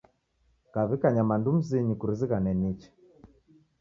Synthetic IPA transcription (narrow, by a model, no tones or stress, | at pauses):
kaβikaɲamandum̩ziɲikuɾiziɣanɛnit͡ʃɛ̥